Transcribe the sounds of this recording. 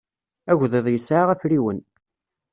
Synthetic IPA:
æɣʷðeðˤjəsːʕaʁæfɾiwən

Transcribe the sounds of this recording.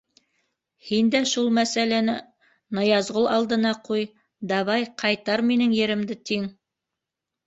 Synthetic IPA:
hind̪æʃulˠmæsælænæ | nɑjɑzʁolˠɑlˠd̪ɤ̆nɑquj | d̪ɑβɑjqʰɑjt̪ɑɾminɘŋjɘ̆ɾɘ̆md̪ɘt̪iŋ

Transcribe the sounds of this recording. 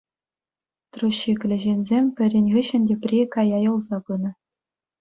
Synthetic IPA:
t̪ruɕːiklʲɘ̆ʑenʲzʲemʲpʲɘ̆rʲenʲʁĭɕɘ̆nʲdʲepʲrʲikɑjɑjɤ̆lˠzɑbɯnɤ̆

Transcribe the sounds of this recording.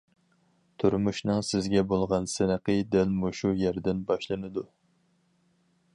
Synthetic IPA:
t̪ʰuɾmuʃnɨŋsɪzɡʲɛbolˠʁɑnsɪnəqəd̪ɛlmuʃujɛɾd̪ɪnbɑʃlˠɨnɨd̪u

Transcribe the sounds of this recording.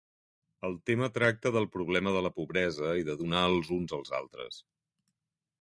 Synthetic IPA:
əlˠt̪emət̪ɾak̚t̪əðəlˠpɾuβ̞lɛməðələpuβɾɛzəiðəðunaəlˠzunzəlˠza̰lˠt̪ɾə̰s

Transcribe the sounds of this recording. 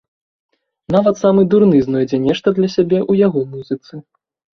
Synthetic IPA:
navɐt̪samɨd̪uɾnɨznɔjd͡zʲɛnʲɛʂt̪ɐd̪lʲɐsʲabʲɛʔujaɣɔmuzɨt̪sɨ

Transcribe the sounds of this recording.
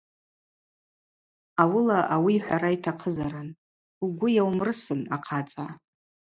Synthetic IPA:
awʊlaʔawiːħʷaɾaitʰaqʰəzaɾan | uɡʷʊjawmrɨsɨnaqʰat͡sʼa

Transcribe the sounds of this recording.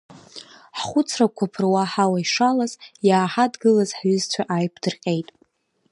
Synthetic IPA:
ħχʷʊt͡sʰrakʷʰapʰɨrwaħawaiʂalazjaːħadɡɨlazħɥʏzt͡sʷʰaʔajpʰd̥ɨrqʲʼe̞jtʼ

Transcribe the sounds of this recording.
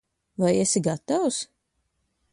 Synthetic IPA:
vajesiɡat̪aws

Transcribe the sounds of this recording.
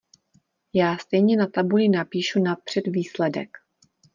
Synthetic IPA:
jaːst̪ɛjɲɛnat̪abulɪnapiːʃunapr̝̥ɛdviːslɛdɛk

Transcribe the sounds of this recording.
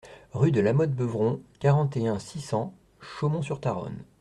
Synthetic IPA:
ʁyd̪əlamɔd̪̚bəvʁɔ̃kaʁɑ̃t̪eɛ̃sisɑ̃ | ʃomɔ̃syʁt̪aʁɔ̰n

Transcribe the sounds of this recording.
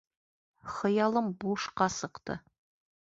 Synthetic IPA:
χɤ̆jɑlˠɤmbuʃqɑsɤ̆qt̪ɤ̰

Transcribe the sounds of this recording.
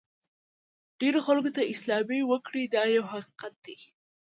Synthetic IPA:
ɖ̥eɾoxalkot̪aʔɪslɑbewəkɽid̪ɑjawhaqi̥qat̪̚d̪e

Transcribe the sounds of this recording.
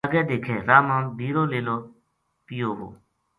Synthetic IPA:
ɡɛːd̪eːkʰɛːɾaːmãːbʱiːɾoːleːloː | pɪjoːʋo̰ː

